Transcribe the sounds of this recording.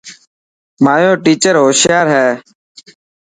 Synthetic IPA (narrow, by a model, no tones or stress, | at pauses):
maːjoːʈiːt͡ʃəɾɦoːsjaːɾɦɛː